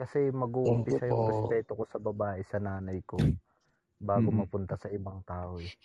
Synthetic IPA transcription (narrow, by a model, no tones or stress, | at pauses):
kɐsɛmɐɡuːʔʊmpɪʃɐjʊŋɛspɾɛːt̪oko̞sɐbɐbaːʔɛsɐnaːnɐjko̞ | baːɡomɐpʊnt̪ɐsɐʔɪbaŋt̪aːʔoɛ